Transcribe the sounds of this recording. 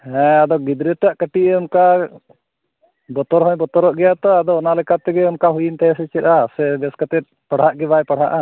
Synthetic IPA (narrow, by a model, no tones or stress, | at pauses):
hɛ̃ad̪ɔɡid̪ɾɛt̪ːaʔkəʈiʔɛɔmka | bɔt̪ɔɾɦɔ̃jbɔt̪ɔɾɔʔɡɛjat̪ɔad̪ɔːnalɛkat̪ɛɡɛɔmkaɦujint̪aɛsɛt͡ʃɛt̪asɛbɛskat̪ɛt̪̚paɽ̤aʔɡɛbajpaɽ̤ɦa̰ʔa